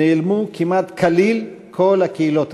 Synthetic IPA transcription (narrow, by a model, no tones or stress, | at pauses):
elmukimat̪kʰalil | kʰolakilot̪